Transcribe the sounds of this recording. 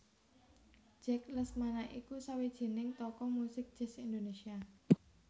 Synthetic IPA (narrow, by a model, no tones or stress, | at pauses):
ʒ̥ɛkləsmanaʔikusawed̥ʒ̥e̤nɪŋt̪ɔkɔmusɪk̚d̥ʒ̥ɛ̤sind̪onesia